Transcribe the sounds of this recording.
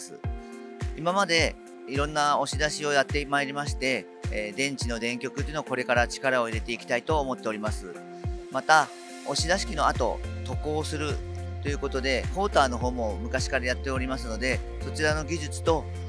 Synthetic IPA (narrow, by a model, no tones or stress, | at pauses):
sɨ | imamad̪e̞ | iɾõ̞nːao̞ɕid̪aɕio̞jat̪ːemaeɾʲimaɕi̥t̪e̞ | d̪ẽ̞ɲ̟t͡ɕino̞d̪ẽ̞ŋkʲo̞kɯt̪oiɯnoko̞ɾe̞kaɾat͡ɕi̥kaɾao̞iɾe̞t̪e̞ikʲi̥t̪ait̪o̞ːmo̞t̪ːe̞o̞ɾʲimasɨ | mat̪a | o̞ɕid̪aɕi̥kʲino̞at̪o̞̰t̪o̞ko̞ːsɨɾɯ̟t̪o̞jɯ̟ko̞t̪o̞d̪e̞ho̞ːt̪aːno̞ɦo̞ːmo̞mɯ̟kaɕi̥kaɾajat̪ːe̞oɾʲimasɨno̞d̪e̞ | so̞t͡ɕiɾano̞ɡʲiʑɨt͡sɨ̥t̪o̞